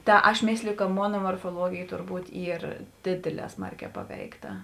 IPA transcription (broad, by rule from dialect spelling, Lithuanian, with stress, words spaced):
ˈtɐ ɐʃ ˈmʲeːsʲlʲɪjʊ kɐ ˈmoːnɐ moːrfoːˈlˠuɔɡʲeːj tʊrˈbuːt ˈiːr ˈdʲeːdʲeːˌlʲɛː ˈsmɐrʲˌkʲɛː ˈpɑːʋʲɛɪkˌtɐ